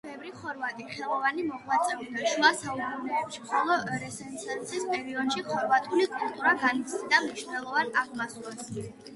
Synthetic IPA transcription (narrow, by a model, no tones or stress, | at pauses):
bɛvɾiχɔɾvat̪ʼiχɛlˠɔvanimɔʁwat̪sʼɛbid̪aʃwasaubʼunɛbɛpʃimχɔlˠɔʔɛɾɛsɛnsʰɛnt̪sʼispʼɛɾiɔd̪ʃiχɔɾvat̪ʼʰulikʼulˠt̪ʼuɾaɡanisʰnid̪amniʃnɛlˠɔvanaχmasɛs